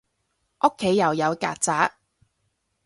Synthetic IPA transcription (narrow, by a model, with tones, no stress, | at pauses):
ʔo˥kʰːe˨˥jːɐ˨˩wjɐ˨˧wka̰ː˧t̚t͡saː˨˥k̚